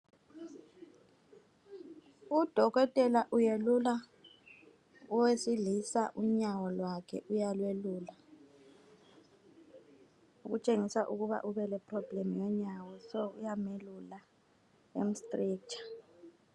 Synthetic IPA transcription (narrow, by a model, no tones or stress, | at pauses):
ud̥ʱɔɣɔtʼɛlaʔujelula | ɔwesilisaʔuɲawɔlwakʰɛ̰ʔujalweluːla | uɣut͡ʃʼeŋisaʔuɣuβa̰ʔuβɛlɛpʰʼrɔb̥lemujɔɲawɔsɔṵjamelula | ḛm̩stʼriːkt͡ʃʰʼḁ